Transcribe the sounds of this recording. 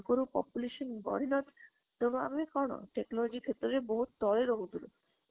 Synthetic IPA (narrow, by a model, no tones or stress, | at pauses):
koɾupɔ̰puleʃonbɔ̰ɾinɔt̪ | d̪onoa̰bekɔno̰ʈeknɔlod͡ʑikʰet̪ːoɾeboɦut̪d̪ɔleɾoɦut̪uɾo